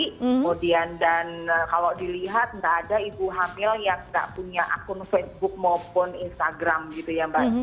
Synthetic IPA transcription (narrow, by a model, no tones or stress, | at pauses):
kəmodiandankalodiliɦat̪̚ŋdaʔːdaibuɦamɪljaŋda̰ʔpuɲaʔa̰kʊnfesbʊk̚mɔpʊninst̪aɡɾamɡit̪ujabaɲ